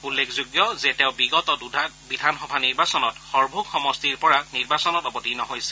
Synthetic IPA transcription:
ulːekʰzoɡjɔzɛteʊ̃biɡɔtɔtbidʱanxɔbʱaniɹbasɔnɔtxɔɹbʱuɡxɔmɔstiɹpɔɹaniɹbasɔnɔtɔbɔtinɔɦojsɛ

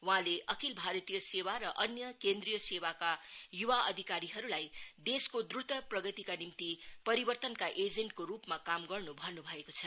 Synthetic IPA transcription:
wɦãleʔʌkilbʱaɾʌt̪ijʌsewaɾʌʔʌnjʌkend̪rijʌsewakajuwaʔʌd̪ʱikaɾiɦʌɾulajd̪eskod̪rut̪ʌprʌɡʌt̪ikanimt̪ipʌɾibʌrt̪ʌnkaʔed͡zeɳʈ̚koɾupmakamɡʌrnubʱʌrnubʱʌekot͡sʰʌ

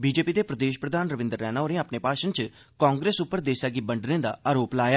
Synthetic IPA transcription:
biːd͡ʒeːpiːd̪eːpɾəd̪eːʃpɾəd̪aːnɾəʋɪ̃nd̪əɾːɛːnaːoːɾẽapneːpaːʃənt͡ʃ | kãːŋɡɾeːsʊpːəɾd̪eːsaːɡiːbəɳɖnẽːd̪a̰ːaːɾoːplaːjaː

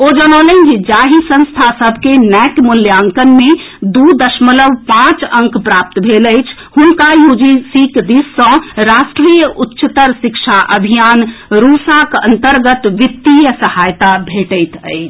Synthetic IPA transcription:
od͡ʒənɔlənkid͡ʒaɦisə̃nst̪ʰasəbʱkenɛʈmuljaŋkənme | d̪ud̪əʃmələʋpãt͡ʃə̃ŋkpɾap̚t̪bʱeləjt͡ʃʰ | hunkajud͡ʒisikd̪isːə̃ɾasʈɾijəʔutːʃət̪əɾsikt͡ʃʰaʔəbʱijanɾusakə̰nt̪əɾɡət̪ʋit̪ːijəsəhajt̪abʱeʈəjt̪ə̰ɪt͡ʃʰ

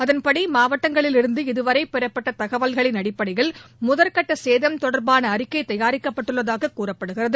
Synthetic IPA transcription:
ɐðɐnpɐɽimaːʋɐʈːɐŋɡɐɭɪlɪɾɯnd̪ɯɪðɯʋɐɾɐɪpɛɾɐpːɐʈːɐt̪ɐɣɐʋɐlɣɐɭɪnɐɽɪpːɐɽɐɪjɐɭmʊðɐɾkɐʈːɐseːðɐmt̪ɔɽɐɾbaːnɐːɾɪkːɐɪt̪ɐjaːɾɪkːɐpːɐʈːɯɭːɐðaːɣɐkːuːrɐpːɐɽɯɣɪrɐðɯ

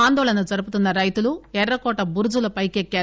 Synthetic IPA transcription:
aːnd̪oːɭɐnɐt͡ʃɐɾɯpːɯt̪ːɯnːɐɾɐjt̪ːɯluɛɾɾɐkːoːʈːɐbʊɾɯd͡ʒulɐpɐjkːekːe

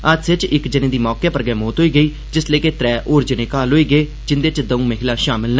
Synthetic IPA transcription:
əd͡ʒsɪt͡ʃɪkd͡ʒənẽːd̪iːmɔːkeːpəɾɡɛːmoːt̪ɦoːiːɡəiː | d͡ʒɪsleːkeːt̪ɾɛːʔoːɾd͡ʒənẽːkaːlɦoːiːɡəeː | d͡ʒɪnd̪eːt͡ʃd̪əũːməɦɪlãːʃaːmɪlnə

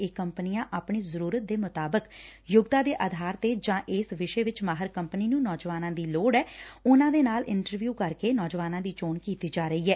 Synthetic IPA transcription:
eːkəmpənɪjãːʔaːpɳiːzəɾuːɾət̪̚d̪eːmʊt̪aːbəkjʊɡd̪aːd̪eːʔəd̪ʱaːɾt̪eːd͡ʒãːʔɪːsʋɪʃeːʋɪt͡ʃmaːɦəɾkəmpəniːnũːnɔːd͡ʒʋaːnãːd̪iːloːɖɛːʊnãːd̪eːnaːlɪɳʈəɾʋjuːkəɾkeːnɔːd͡ʒʋaːnãːd̪iːt͡ʃoːnkiːt̪iːd͡ʒaːɾəiːɦɛː

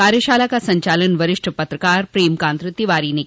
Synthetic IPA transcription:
kaːɾjəʃaːlakasɐ̃ɲt͡ʃaːlənʋɐɾɪʂʈʰəpɐt̪ɾəkaːɾpɾeːmkaːnt̪ɾɨt̪ːiʋaːɾine

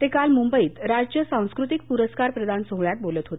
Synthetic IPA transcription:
t̪ekalmumbəiːt̪ɾad͡ʑjəsãw̃skɾut̪ik̚puɾəskaɾpɾəd̪ʱansoɦɭjat̪̚bolət̪ɦot̪e̥

